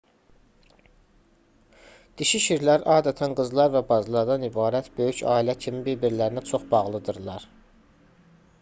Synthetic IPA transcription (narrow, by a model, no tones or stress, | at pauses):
d̪̥iʃiʃiɾlæɾɑːd̪æt̪ʰænɡɯzlˠɑɾvæbɑzlˠɑɾd̪ɑnibɑːɾæt̪ʰbø̞jycɑ̰ːilæcʰimibiɾbiɾlæɾinæt͡ʃʰo̞χbɑʁlˠɯd̪ɯɾlˠɑɾ